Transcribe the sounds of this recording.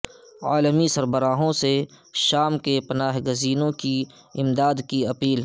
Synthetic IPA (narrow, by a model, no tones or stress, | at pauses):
aːləmisɐɾbəɾaːɦõse | ʃaːmkepɐnaːɦɡəziːnõki | ɪmd̪aːd̪kiɐpiːl